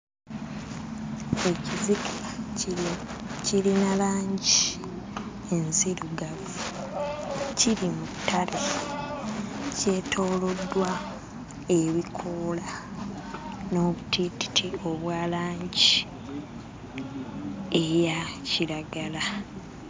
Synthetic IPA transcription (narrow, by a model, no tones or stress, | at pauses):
e̞cizikʰa | cilinalaːɲɟi | enziɾuɡaβu | ciɾimutːale | ce̞ːtʰo̞ːlo̞dːwa | e̞βikʰola | no̞ːβutiti̥tʰio̞βwaːlaːɲɟi | ejaciɾaɡala